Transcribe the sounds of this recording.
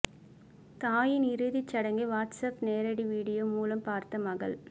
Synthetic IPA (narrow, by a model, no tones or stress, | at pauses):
t̪aːjɪnɪɾɯðit͡ʃːɐɽɐŋɡɯʋaːʈsɐpneːɾɐɽiʋiːɽɪjoːmuːlɐmpaːɾt̪ɐmɐɣɐ̰ɭ